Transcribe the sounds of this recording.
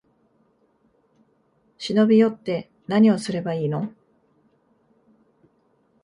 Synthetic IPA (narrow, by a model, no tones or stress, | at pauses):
ɕino̞bʲijo̞t̪ːe̞ | naɲ̟io̞sɨɾe̞baiːno̞